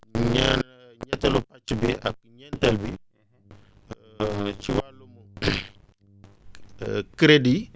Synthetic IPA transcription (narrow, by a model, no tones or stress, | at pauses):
ɲa̰nɲataluat͡ʃibiʔa̰k̚ɲantalbi | t͡ʃiwalumo | kɾedi